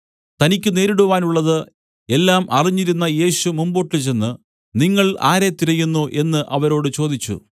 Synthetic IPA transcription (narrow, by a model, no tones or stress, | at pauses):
t̪ɐnikʲːɨne̞ːɾuɽuʋaːnuɭːɐðɨ | e̞lːaːmʔɐriɲːiɾunːɐje̞ːɕumumbo̞ːʈːilt͡ɕe̞nːɨ | niŋːɐɭa̰ːɾe̞t̪iɾɐjunːuʔe̞nːɨʔɐʋɐɾo̞ːɽɨt͡ɕo̞ːd̪it͡ɕːṵ